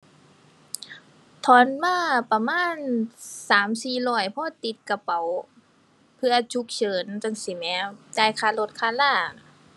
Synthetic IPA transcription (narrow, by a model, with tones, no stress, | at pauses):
t̪ʰɔː˧˦nwaː˧˥˩pa˧maː˧˥˨nsaː˨˦msiː˨˩lɔː˧˩jpʰɔː˧t̪i˨˧˦t̪̚ka˧pa˨˦w | pʰɯ˧ɐ˧t͡ɕʰu˧˦k̚t͡ɕʰɤː˨˦nta˧˨ŋsi˨˦mɛː˨˧˦daː˧˩˨jkʰaː˧˩lo˧˦t̪̚kʰaː˧˨nlaː˧˥˩nɔ˧˩